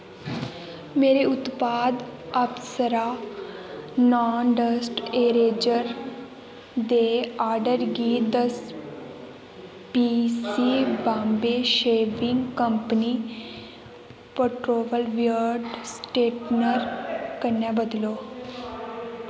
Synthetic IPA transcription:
meːɾeːʊt̪paːd̪əpsəɾaː | naːnɖəsʈeːɾeːd͡ʒəɾ | d̪eːaːɾɖəɾɡiːd̪əs | piːsiːbãːmbeːʃeːʋɪ̃ŋɡkəmpəniː | pəʈɾoːʋəlʋijəɾɖsʈeːʈnəɾkəɾnaːbəd̪loː

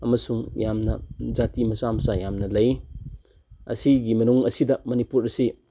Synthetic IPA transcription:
ɐmɐsuŋjamnɐ̰zatimɐsamɐsajamnɐlɐj | ɐ̰siɡimɐnuŋɐsidɐmɐnipuɾɐsi

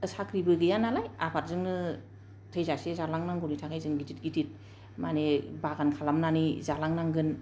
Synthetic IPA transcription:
ɯsakʰɾibɯɡɯjanalaja̰pʰat̚zɯŋnɯ | tʰəjzasezalaŋnaŋɡɔnitʰakʰajzɯŋɡitʰit̚ɡitʰit̚ | manebaɡankʰalamnanizalaŋnaŋɡɯn

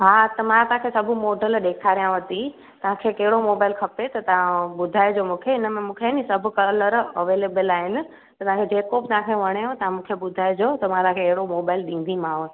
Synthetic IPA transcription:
ɦaːt̪ɐmãt̪ɐɦãkʰesɐbʱʊmoːɖəlɗeːkʰaːɾijãʋɐt̪i | t̪ɐʋ̤ãkʰekɐɦɪɽomoːbaːɪlkʰɐpet̪ɐt̪ɐʋ̤ãɓʊd̪ʱaːɪd͡ʑomũːkʰeɪnə̆mẽmũːkʰenisɐbʱʊ̆kɐləɾɐʋeːleːbəlaːɦɪnɪ̆ | t̪ɐt̪ɐʋɦãkʰed͡ʑeːkobɪt̪ɐʋ̤ãkʰeʋɐɽ̃ejõt̪ɐʋãmũːkʰeɓʊd̪ʱaːɪd͡ʑoːt̪ɐmãt̪ɐɦãkʰeːɦɪɽomoːbaːɪlɗĩːn̆d̪ʱimãːʋ

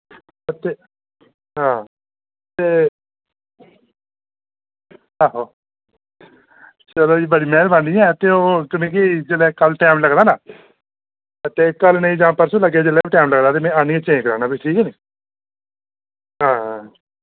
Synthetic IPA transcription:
ət̪eː | ɦãː | t̪eː | aɦoː | t͡ʃəloːiːbəɽiːmɛ̃ːlbaːnd̪iːɛ̃ːət̪eːoːkɪnẽːkid͡ʒəlɛːkəlʈɛːmləɡd̪aːnaː | ət̪eːkːəlnəĩːd͡ʒãːpəɾsũːləɡeːd͡ʒəlɛːbiʈɛːmləɡd̪aːt̪eːmɛ̃ːaːniːet͡ʃẽːkəɾaːnãːbiʈʰiːkːniː | ɦãːɦã

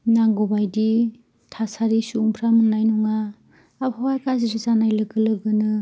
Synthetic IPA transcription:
naŋɡobajdi | tʰasaɾisuŋpʰɾamɯnːajnuŋaː | bhawajkazisɯzanajlɯɡɯlɯɡɯnɯ

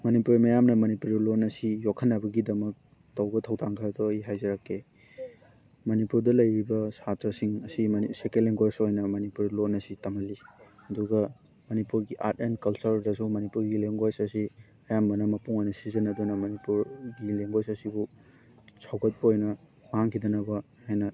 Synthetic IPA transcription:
mɐnipuɾimɐjamnɐmɐnipuɾlonɐsijokʰɐnːɐbɐɡidɐmɐk̚ | tɐwɡɐtʰɐwtʰaŋkʰɐɾɐtɔːjiɦajzɐɾakʰːe | mɐnipuɾdɐlɐjɾibɐsatɾɐsiŋɐsisekeleŋɡojsojnɐmɐnipuɾlonɐsitɐmɐliɐduɡɐ | mɐnipuɾɡiʔa̰t̚enkɐlsɐɾdɐsumɐnipuɾɡileŋɡojsɐsi | ɐjambɐnɐmɐpuŋojnɐsizɐnɐdunɐmɐnipuɾɡileŋɡojsɐsibu | sʰawɡɐt̚pɐojnɐ | ɦaŋkʰidɐnɐbɐ | hajnɐ

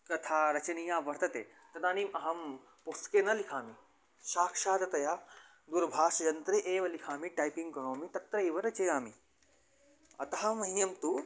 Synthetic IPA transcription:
kɐt̪ʰaːɾɐt͡ʃɐnijãːʋɐɾt̪ɐt̪ḛː | t̪ɐd̪aːnimʔɐɦɐm | pust̪keːnɐlikʰaːmi | ʃaːkʂaːd̪ɐt̪ɐjaː | d̪uɾbʱaːʂɐjɐnt̪ɾeʔeːʋɐlikʰaːmiʈaːjpiŋkonoːmit̪ɐt̪ɾɐeːʋɐɾɐt͡ʃejaːmi | ɐ̰t̪ɐɦamɐɦijɐmt̪u

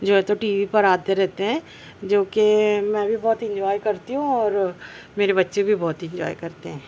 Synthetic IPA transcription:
d͡ʒoːɦɛ̃t̪oʈiːʋipɐɾaːt̪eɾɛɦt̪eɦɛ̃ː | d͡ʒoːkemɛ̃ːbʱibɔːt̪ɪ̃ɲd͡ʒɔːjkɐɾt̪iɦũɔːɾ | meːɾebɐtːʃebʱibɔːt̪ɪ̃ɲd͡ʒɔ̰ːjkɐɾt̪eɦɛ̃ː

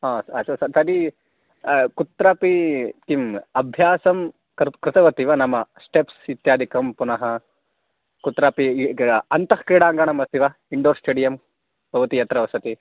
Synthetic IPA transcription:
ɦaːsɐt͡ʃʰːuʋsɐɾsɐɾi | kut̪ɾaːpit̪imɐbʱjaːsɐm | kɾɪt̪ɐʋɐt̪iʋɐnɐmɐsʈepsit̪jaːd̪ʱikɐmpunɐɦɐ | kut̪ɾaːpiɐnt̪ɐhkiːɽaːŋɡaːɳɐmɐst̪iʋaː | iɳɖoːɾsʈeːɖijɐm | b̥ʱɐʋɐt̪ijɐt̪ɾɐʋɐsɐt̪i

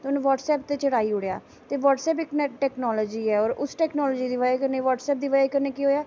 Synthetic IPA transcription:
t̪eʊnũːʋɔːʈsɛːp̚t̪eːt͡ʃəɽaːiːʊɽeja̰ː | t̪eːʋɔːʈsɛːpɪknɛʈɛːknɔːlɔːd͡ʒiːɛːɔːɾʊsʈɛːknɔːlɔːd͡ʒiːd̪iːʋəekəɾneːʋaːʈsɛːp̚d̪iːʋad͡ʒekəɾneːkiːɦoːjaː

